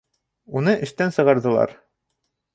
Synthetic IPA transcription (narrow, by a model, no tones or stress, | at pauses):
unɤʔɘ̆ʃt̪ænsɤ̆ʁɑɾðɤ̆lˠɑ̰ɾ